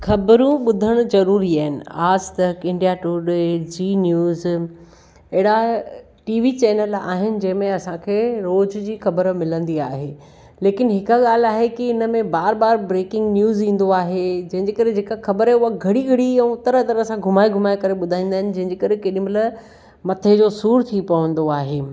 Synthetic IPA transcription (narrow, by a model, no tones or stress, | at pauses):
xɐbɾũɓʊd̪ʱəɽ̃ʊ̆zɐɾuːɾiaːɦɪnɪ̰̆aːd͡ʑt̪ɐkɪ̃ɳɖijaʈuɗd͡ʑiːnjuːz | ɐɦɪɽa | ʈiːʋit͡ɕɛːnəla̰ːɦɪnɪ̆d͡ʑɐ̃ɦɪ̃mẽɐsãkʰeːɾoːd͡ʑd͡ʑiːxɐbəɾmɪlə̃nd̪iaːɦeː | leːkɪnɦɪkɠaːl̤aːɦekiɪnəmẽbaːɾbaːɾbɾeːkɪ̃ŋɡnjuːzĩːn̆d̪oaːɦed͡ʑɐ̃ɦɪ̃ɲd͡ʑeːkɐɾed͡ʑeːkaxɐbəɾɛʊɦaɡʱɐɽiɡʱɐɽiɛ̃ʊt̪əɾət̪ɐɾɐsãɡʱʊmaːiɡʱʊmaːikɐɾeɓʊd̪ʱaːĩːnd̪aɦɪnɪ̆d͡ʑɐ̃ɦɪ̃ɲd͡ʑeːkɐɾekeɗĩmɐlə | mɐt̪ʰed͡ʑosuːɾt̪ʰipɐʋə̃nd̪oaːɦeː